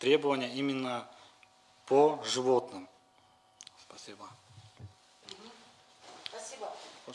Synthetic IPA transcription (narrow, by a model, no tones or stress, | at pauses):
t̪ɾʲe̞bəvənʲɪjəimʲɪnːə | pʰoʐɨvo̞t̪nɨm | spɐsʲibə